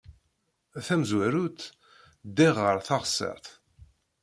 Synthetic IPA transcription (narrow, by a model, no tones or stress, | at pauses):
æθæmzwæɾut̪ | d̪iʁːəɾˤθɑʁsːə̰ɾθ